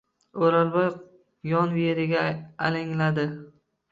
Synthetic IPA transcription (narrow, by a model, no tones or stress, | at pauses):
oɾalba | jɒnveɾɪɡʲaalɪŋlad̪ɪ